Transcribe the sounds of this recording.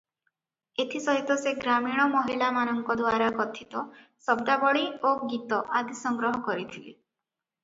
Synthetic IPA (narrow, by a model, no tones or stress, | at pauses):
et̪ʰisɔɦit̪ɔseɡɾamiɽ̃ɔmɔɦilamanɔŋkɔd̪waɾakɔt̪ʰit̪ɔsɔb̚d̪abɔɭioɡit̪ɔʔad̪isɔŋɡɾɔɦɔkɔɾit̪ʰilḭ